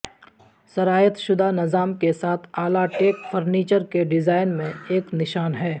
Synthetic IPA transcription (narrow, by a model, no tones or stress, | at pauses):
sɐɾaːjət̪ʃʊd̪ʱanɪzaːmkesaːt̪ʰaːlaʈeːkfʰəɾniːt͡ʃəɾkeɖɪzaːɪnmẽeːknɪʃaːnɦɛː